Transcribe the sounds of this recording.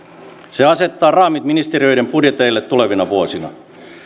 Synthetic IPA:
seɑse̞t̪ːɑːrɑːmit̪minist̪eriø̞jdempudjet̪eilːet̪ːule̞ʋinɑʋuosinɑ̰

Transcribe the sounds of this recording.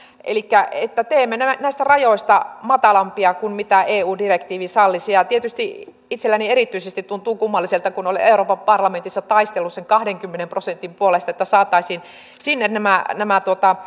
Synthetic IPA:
ʔḛlikːæet̪ːæt̪eːmːenænæˑist̪ærɑjoist̪ɑmɑt̪ɑlɑmpiɑkunmit̪æeːuːdirekt̪iːʋisɑlːisiɑt̪iet̪yst̪i | it̪selːænierit̪ːyisest̪it̪t̪unt̪uːkumːɑlːiselt̪ɑkunolḛuroːpɑmpɑrlɑment̪isːɑt̪ɑist̪elːusseŋkɑhdeŋkymːenemprosent̪impuolest̪ɑet̪ːæsɑːt̪ːˑɑisiːn | sinːennæmænæmæt̪uot̪ɑ

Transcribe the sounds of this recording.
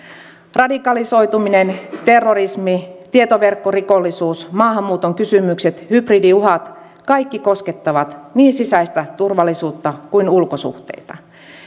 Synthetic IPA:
rɑdikɑliso̞jt̪uminent̪e̞rːorismit̪iet̪oʋe̞rkːorikolːisuːsmɑːɦɑmːuːt̪oŋkysymykse̞t̪hybridiuɦɑt̪ | kɑjkːiko̞ske̞t̪ːɑʋɑt̪niːnsisæjst̪æt̪urʋɑlːisuːt̪ːɑkuinulko̞sṵxt̪ḛjt̪ɑ

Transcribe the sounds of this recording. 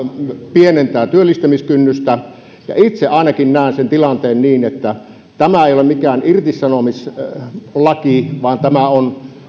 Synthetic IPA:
pienent̪æːt̪yølːist̪æmiskynːyst̪æ | jɑ̰it̪seʔɑˑenɑkinnæˑensent̪ilɑnt̪eːnniːnet̪ːæ | t̪æmæeˑijolemikæːnʔirt̪isːɑnomis | lɑkiʋɑːnt̪æmæon

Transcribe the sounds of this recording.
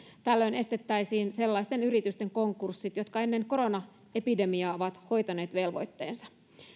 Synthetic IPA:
t̪ælːø̞jne̞st̪e̞t̪ːæjsiːnse̞lːɑist̪e̞nyɾit̪yst̪e̞ŋko̞ŋkursːit̪jo̞t̪kɑe̞nːe̞ŋko̞ɾo̞nɑ | e̞pide̞miɑːo̞ʋɑt̪ho̞jt̪ɑne̞ːt̪ʋe̞lʋo̞̰jt̪ːe̞̰ːnsɑ̥

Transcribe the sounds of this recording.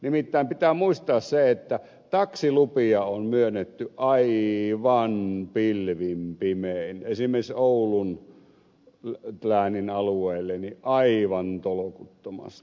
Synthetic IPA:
nimit̪ːæˑeimpit̪æːmuist̪ɑːsseet̪ːæ | t̪ɑksilupiɑonmyønːet̪ːyʔʔɑiʋɑnpilʋimpimeˑinesimˑeˑsoˑulun | t̪læːninɑlueˑːlːeniʔʔɑiʋɑnt̪olokut̪ːomɑ̰s

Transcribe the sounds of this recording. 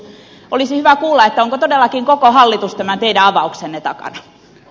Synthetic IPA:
ʔolisihyʋækuːlːɑet̪ːæoŋkot̪odelːɑkiŋkokohɑlːit̪ust̪æmænt̪eidæɑʋɑuksenːet̪ɑkɑ̰nɑ

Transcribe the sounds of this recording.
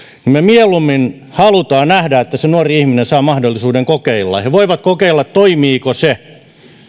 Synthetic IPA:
nimmemielumːin | hɑlut̪ɑːnæhdæet̪ːæsenuɑoriihminesɑːmɑhdolːisuːdeŋkokeilːɑ̰heʋoiʋɑt̪kokeilːɑt̪t̪oimiːkose

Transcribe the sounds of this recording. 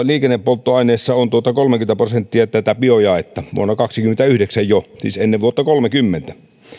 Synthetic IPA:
liːkenːeppolt̪ːoɑˑineːsːɑont̪uot̪ɑkolmekyment̪æprosent̪ːiɑt̪æt̪æpiojɑet̪ːɑʋṵonːɑkɑksikymːent̪æyhdeksæjjosḭːsenːeʋuot̪ːɑkolmekymːent̪æ̥

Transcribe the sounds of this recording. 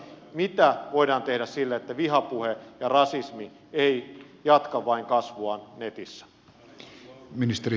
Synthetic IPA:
mit̪æʋoidɑːnt̪ehdæssilːæet̪ːæʋiɦɑpuhejɑrɑsismi | ei | jɑt̪kɑʋːɑiŋkɑsʋuɑnnet̪isːæ̥ | minist̪eɾi

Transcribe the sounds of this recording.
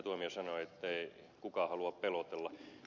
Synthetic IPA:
t̪uomiesɑnoet̪ːei | kukɑˑhɑluɑppelot̪elːɑ

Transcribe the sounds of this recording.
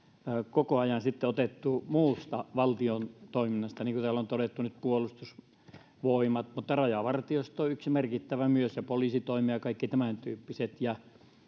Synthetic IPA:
kokoɑjɑnsit̪ːeot̪et̪ːumuːst̪ɑʋɑlt̪iont̪oˑiminːɑst̪ɑniːŋkut̪æːlːont̪oɾet̪ːunyt̪̚puolust̪us | ʋoˑimɑt̪mut̪ːɑrɑjɑʋɑrt̪iost̪oyksimerkit̪ːæʋæmyøsjɑpoliˑsit̪oˑimiɑjɑkɑˑikːit̪æmænt̪yːpːiset̪jɑ

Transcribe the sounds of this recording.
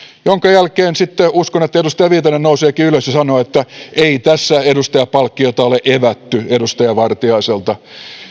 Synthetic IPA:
joŋkɑjælkeːnsit̪ːeuskonet̪ːæeust̪ɑjɑʋiːt̪ɑnːennouseːkiːyløsjɑsɑnoːet̪ːæeit̪æsːæedust̪ɑjɑpɑlkːiot̪ɑoleʔeʋæt̪ːyedust̪ɑjɑʋɑrt̪iɑiselt̪ɑ

